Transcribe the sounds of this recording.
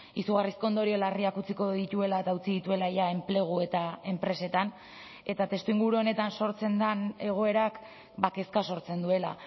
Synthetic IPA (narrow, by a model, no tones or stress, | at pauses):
isuɣ̞arisko̞nd̪o̞ɾio̞lariakut͡siko̞ðit̪ue̞laet̪aut͡siðit̪ue̞laʝae̞mple̞ɣ̞ue̞t̪ae̞mpɾe̞se̞t̪an | e̞t̪at̪e̞st̪uiŋɡuɾuo̞ne̞t̪anso̞ɾt͡se̞nd̪ane̞ɣ̞o̞e̞ɾak | bake̞skaso̞ɾt͡se̞nd̪ue̞la̰